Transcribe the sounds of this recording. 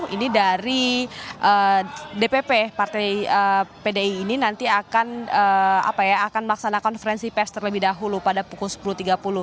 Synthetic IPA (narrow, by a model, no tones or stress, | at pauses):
inidaɾiʔədepepepart̪ajəpedeiːninant̪iakanəa̰pajaaːkanmlaksanakɔnfəɾɛnsipɛst̪ərləbɪhdaɦulupadapukʊlsə̥pulut̪iɡapulʊh